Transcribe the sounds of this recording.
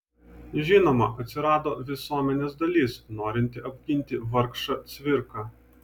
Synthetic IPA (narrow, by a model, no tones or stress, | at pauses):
ʒʲɪnoːmɐʔɐt̪ʲsʲɪɾɑːd̪oːʋʲɪsuɔmʲɛnʲeːsd̪ɐlʲiːsnoːɾʲɪnʲt̪ʲɪʔɐbʲɡʲɪnʲt̪ʲɪʋɐɾkʃɑt̪sʲʋʲɪɾkɑː